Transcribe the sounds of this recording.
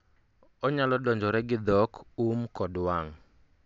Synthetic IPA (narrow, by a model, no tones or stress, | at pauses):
ɔɲalɔdɔɲd͡ʒɔɾɛɡɪd̪ɔkumkɔdwaŋ